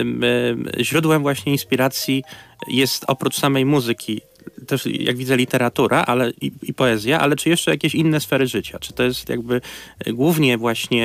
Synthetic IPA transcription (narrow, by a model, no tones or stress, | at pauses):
mʑɾud̪wɛmvwaɕɲɛinspʲiɾat̪sʲjijɛst̪ɔpɾut͡ʂsamɛjmuzɘkʲʰi | t̪ɛʂja̰ɡvʲid̪zɛlʲit̪ɛɾat̪uɾʔaʔalɛiipɔɛzʲjaʔa̰lɛt͡ʂɘjɛʂt͡ʂɛjakʲeɕinːɛsfɛɾɘʐɘt͡ɕat͡ʂɘ̥t̪ɔjɛst̪ja̰ɡbɘɡwuvɲɛvwaɕɲɛ